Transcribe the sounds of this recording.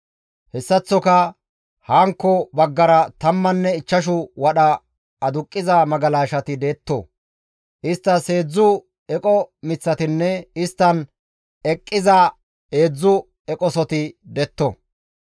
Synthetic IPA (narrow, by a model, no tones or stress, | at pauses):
hɛsːɐt͡sːɔkɐ | haːŋkːɔbɐɡːɐɾɐt̪ɐmːɐnːɛɪt͡ʃːɐʃ̬ʊwɐɗɐ | ɐd̪ʊkʼːɪzɐmɐɡɐlaːʃɐt̪ɪd̪e̞ːt̪ːɔ̰ | ʔɪst̪ːɐse̞ːd͡zːʊ | ɛkʼɔmɪt͡sːɐt̪ɪnːɛɪst̪ːɐn | ɛkʼːɪzɐ | e̞ːd͡zːʊ | ɛkʼɔsɔt̪ɪd̪ɛt̪ːɔ̰